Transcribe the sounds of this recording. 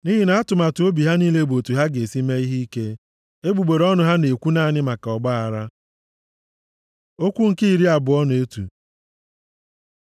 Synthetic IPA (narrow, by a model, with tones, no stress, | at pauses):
ni˦ɦi˦na˨˦a˦tʊ˨ma˨tʊ˨o˦bi˨ɦa˦niː˦le˦bo˨tu˨ɦa˦ɡe˨si˦me˦i˦ɦi˦ke˦ | e˦ɡ͡bu˨ɡ͡be˨ɾɔ˦nʊ˨ɦa˦ne˨kʷu˦na˦˨nɪ˦ma˨ka˨ɔ˨ɡ͡ba˦a˨ɾa˦ | o˦kʷu˦ŋ̩˨ki˦i˨ɾi˦a˨bʊ˨ɔ˦n˨e˦tṵ˨